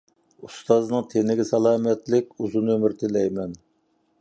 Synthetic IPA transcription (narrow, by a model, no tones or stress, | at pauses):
ust̪ɑznɨŋt̪ʰenɪɡʲɪsɑlˠɑːmɛt̪lɪkʲuzunømɪɾt̪ʰɪlɛjmɛn